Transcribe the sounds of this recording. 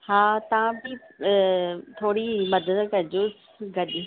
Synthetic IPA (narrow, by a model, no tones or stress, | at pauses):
haːt̪ɐʋ̤ãbɪ | t̪ʰoːɽimɐd̪əd̪kɐɾɪd͡ʑʊs | ɡɐɗ